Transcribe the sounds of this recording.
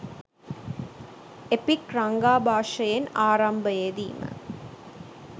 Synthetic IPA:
epikrɐŋɡaːbʱaːʂɐjenaːɾɐmbɐjed̪ḭːmə̰

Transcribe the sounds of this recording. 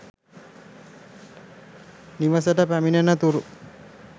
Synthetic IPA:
niʋas̬əʈəpæminenat̪uɾu

